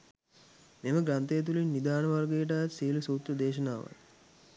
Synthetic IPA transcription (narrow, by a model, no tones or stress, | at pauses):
meməɡɾant̪ejːt̪̬ulinːid̪aːnəʋarɡeːʈ̬aːt̪siːlusuːt̪ɾəd̪eːʃənaːʋə̰